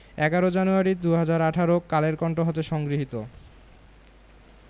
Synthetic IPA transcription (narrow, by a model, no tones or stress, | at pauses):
ɛɡaɾod͡ʑanuaɾid̪uɦad͡ʑaɾaʈʰaɾokaleɾkɔɳʈoɦɔt̪eʃɔŋɡɾiɦit̪o